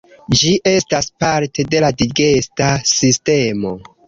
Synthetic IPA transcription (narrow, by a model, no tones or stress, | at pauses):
d͡ʒiʔe̞staspaɾte̞de̞ladiɡe̞stasiste̞mo̞